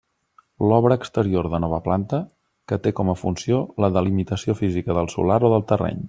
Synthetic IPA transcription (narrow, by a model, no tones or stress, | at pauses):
lɔβɾəːkst̪əɾioɾðənɔβ̞əplant̪ə | kət̪ekɔməfunsioləðəlimit̪əsiofizikəðəlˠsṵlaɾoðəlˠt̪ərɛ̰ɲ